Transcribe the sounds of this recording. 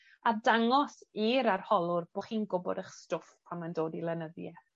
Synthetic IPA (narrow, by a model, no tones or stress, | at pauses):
adaŋɔsiːɾarhɔlˠʊrb̥oχiːnɡʊbɔ̰dəχstʊfpʰamandoːdilˠɛnəðjɛ